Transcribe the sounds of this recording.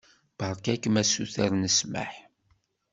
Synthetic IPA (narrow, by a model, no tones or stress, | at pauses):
b̥əɾˤkækːmæsuθæɾnəsmə̰ħ